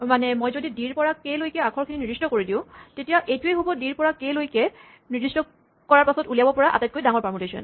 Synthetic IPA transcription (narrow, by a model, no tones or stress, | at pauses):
manɛmojzodidiɹpɔɹakelojkɛakʰɔɹkʰininiɹistɔkoɹidĩʊ̃tetijaʔejtuejɦobɔdiɹpɔɹakejlojkɛ | niɹdistɔ | kɔɹaɹpasɔtulijabɔpɔɹaʔa̰taɛt̚kojdaŋɔɹpamɔtesɔ̰n